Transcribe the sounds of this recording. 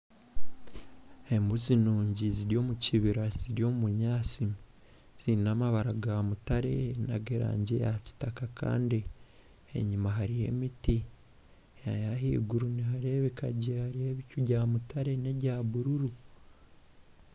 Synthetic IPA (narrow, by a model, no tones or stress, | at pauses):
e̞mbuzinuːɲɟiziɾjo̞ːmuciβiɾaz̥iɾjo̞ːmuβuɲaːsi | z̥iɾinamaβaɾaɡamutaɾe̞na̰ɡeɾa̰ːɲɟe̞ja̰ci̥takakʰa̰ːndi | e̞̰ɲumaɦaɾije̞̰miti | ajaɦḭːɡuɾuniɦaɾe̞βeka̰ɟehaɾije̞βicuɟaːmutʰaɾe̞ne̞ɟaːβuɾuɾu